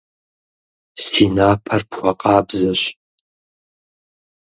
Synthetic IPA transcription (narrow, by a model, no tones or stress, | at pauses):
siːnaːpʰɐrpχʷɔqʼɑːbzɐɕ